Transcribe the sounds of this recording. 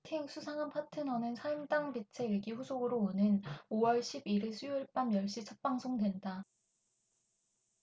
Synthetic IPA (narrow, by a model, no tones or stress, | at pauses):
tʰiŋsʰusʰaŋanpʰatʰɯnʌnɯnsʰaimdaŋbit͡ɕʰe̞eɡiɸusʰoɡɯɾoonɯnowʌɭɕʰibiɾesʰujuɭp͈anmjʌɭɕ͈it͡ɕʰʌp̚p͈aŋsʰoŋdwe̞nda